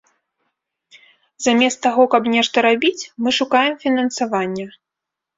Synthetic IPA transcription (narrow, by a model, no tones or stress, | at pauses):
zamʲɛst̪ːaɣɔkɐbnʲɛʂt̪ɐɾabʲit͡sʲmɨʂukajɛmfʲinɐnsavanʲːɐ